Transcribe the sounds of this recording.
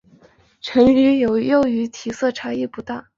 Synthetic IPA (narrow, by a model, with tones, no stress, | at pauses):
ʈ͡ʂʰɤ˧˥ŋy˧˥jo˨˩ʊjo˥˩ʊy˧˥t̪ʰi˨˩sɤ˥˩ʈ͡ʂʰa˧˥i˥˩pu˧˥t̪a˥˩